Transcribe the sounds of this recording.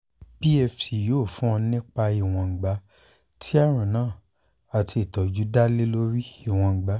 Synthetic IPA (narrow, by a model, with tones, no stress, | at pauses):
bi˦ɛ˧fi˨joː˦˨fũ˦ɔ̃˧nĩ˦k͡pa˧i˨w̃ɔ̃˨ɡ͡ba˨˧˦ | tʰi˦a˦ɾ̃ũ˨nãː˦˨ | a˨˧ti˧i˨tɔ˨d͡ʒu˨˦da˦le˦lo˦ɾi˦i˦˨w̃ɔ̃˧˨ɡ͡ba˨˦